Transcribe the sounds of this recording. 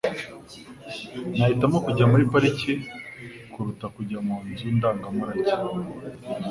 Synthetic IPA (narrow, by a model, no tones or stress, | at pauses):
nahitamokuɟamuɾipaɾice | kuɾutakuɟamuːnzundaːŋɡamuɾaci